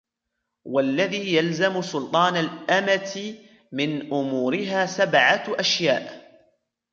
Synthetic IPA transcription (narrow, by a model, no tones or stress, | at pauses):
walːaðiːjalzamsʊlt̪ˤɑːnalʔamat̪ɪ | mɪnʔʊmuːɾɪɦaːsabʕaʔaʃjaːʔ